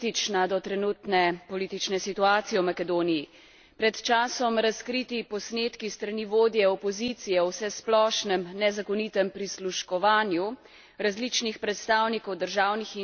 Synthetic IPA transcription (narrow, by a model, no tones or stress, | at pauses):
it͡ʃnad̪ɔt̪ɾɛnuːt̪nɛpɔliːt̪it͡ʃnɛsit̪uaːt̪sijɛwmakɛd̪oːniji | pɾɛt̪t͡ʃaːsɔmɾaskɾit̪ipɔsneːt̪kist̪ɾaniʋoːd̪jɛɔpɔzit̪sijɛɔwsɛsplɔːʃnɛmnɛzakɔnit̪ɛmpɾisluʃkɔʋaːnju | ɾazlit͡ʃnixpɾɛt̪st̪aːwnikɔwd̪əɾʒaːwnixi